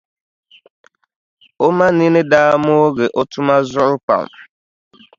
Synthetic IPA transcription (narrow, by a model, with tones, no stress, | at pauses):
o˦mã˦nĩ˦nɪ˦daː˦mʊ˦o˦ɡe˨ʔo˦tʊ˦ma˦zʊ˦ɾʊ˦pa̰˨m˨